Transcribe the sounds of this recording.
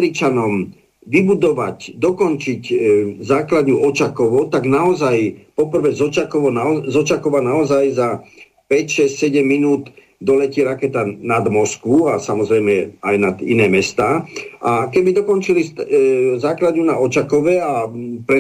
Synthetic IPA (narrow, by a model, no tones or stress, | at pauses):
ɾit͡ʃanɔm | ʋibud̪ɔʋa̰cd̪ɔkɔnt͡ʃiczaːklad̪ɲuɔt͡ʃakɔʋɔt̪aɡnaɔzajpɔpr̩ʋɛzɔt͡ʃakɔɔazɔt͡ʃakɔʋanaɔzajza | pɛcʃɛscʲsɛɟɛmːinuːd̪ | d̪ɔlɛciːɾakɛt̪anad̪mɔskʋuasamɔzɾɛjmɛajnad̪ḭnɛːmɛst̪aːʔakɛbid̪ɔkɔnt͡ʃili | zaːklad̪ɲunaɔt͡ʃakɔʋɛapɾɛ